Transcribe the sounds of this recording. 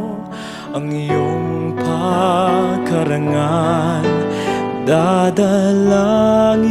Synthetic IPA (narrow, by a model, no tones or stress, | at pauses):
ɐŋjoŋpʰa | kɐɾɐŋan | d̪ad̪ɐlaŋ